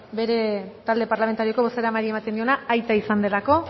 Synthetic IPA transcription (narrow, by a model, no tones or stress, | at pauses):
be̞ɾe̞t̪ald̪e̞paɾlame̞nt̪aɾio̞ko̞βo̞seɾamaɾie̞mat̪end̪io̞naajt̪aisand̪e̞lako̞